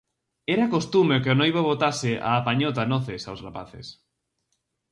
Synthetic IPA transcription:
ɛɾakost̪umeokeonojβoβot̪asɪʔa̰ːpaɲot̪̬anoθesawsrapa̰θḛs

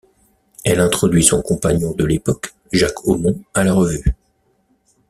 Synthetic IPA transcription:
ɛlɛ̃t̪χɔd̪ɥisɔ̃kɔ̃paɲɔ̃d̪əlepɔk | ʒakʰomɔ̃alaʁəvy

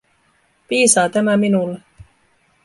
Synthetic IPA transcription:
piːsɑːt̪æmæminulːe

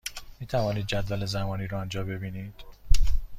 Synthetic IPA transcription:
miːt̪ʰævɒːniːd̪̚d͡ʒæd̪vælezæmɒːniːɾɔænd͡ʒɒːbe̞biːniːd̪̥

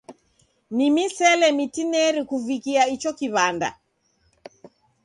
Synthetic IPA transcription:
nimisɛlɛmitinɛɾikuvikiait͡ʃɔkiβanda̰

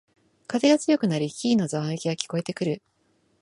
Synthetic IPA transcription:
kat̪e̞ɡat͡sɨjo̞kɯ̟naɾʲiçʲiːno̞zãekʲiɡakʲi̥ko̞e̞t̪e̞kɯ̟ɾɯ̟

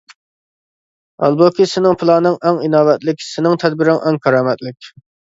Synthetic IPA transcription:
ɑ̰lˠbokʲʰisɪnɪŋpʰɨlˠɑnɨŋɛŋinɑːbɛt̪lɪkʲsɪnɪŋt̪ʰɛd̪̚bɪɾɪŋʔɛŋkʰɑɾɑːmɛt̪lɪkʲ

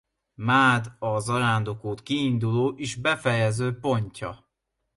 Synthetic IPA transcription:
maːd̪ɒzɒɾaːnd̪o̞koːt̪kiːnd̪uloːʔiʒbɛfɛjɛzøːpo̞ɲcɒ̰

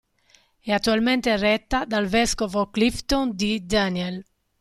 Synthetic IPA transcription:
ɛat̪ːualment̪erɛt̪ːad̪alvɛskovoklift̪ond̪id̪aniɛl

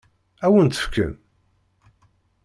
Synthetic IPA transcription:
æwənt̪ə̥fkə̰n

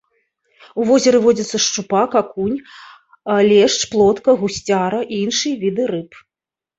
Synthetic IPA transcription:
uvɔzʲɛɾɨvɔd͡zʲit̪sɐʂt͡ʂupakakunʲ | lʲɛʂt͡ʂplˠɔt̪kɐɣusʲt͡sʲaɾɐʔiinʂɨjɐvʲid̪ɨɾɨp

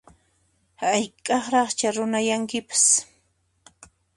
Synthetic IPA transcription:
hajkʼɑχɾɑχt͡ʃaɾʊnajaŋkɪpḁs

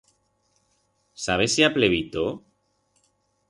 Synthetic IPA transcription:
saβesiapleβit̪o

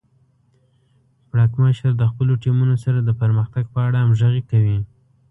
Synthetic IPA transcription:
bɽɑkməʃəɾd̪əxpəloʈimunosaɾad̪əpəɾməxt̪aɡ̚pəaɽaamʒəɣikawi

